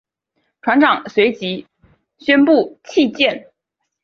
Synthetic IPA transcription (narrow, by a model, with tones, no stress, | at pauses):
ʈ͡ʂʰwa˧˥nʈ͡ʂɑ˨˩ŋswe˧˥ɪt͡ɕi˧˥ | ɕɥɛ˥npu˥˩t͡ɕʰi˥˧t͡ɕjɛ˥˩n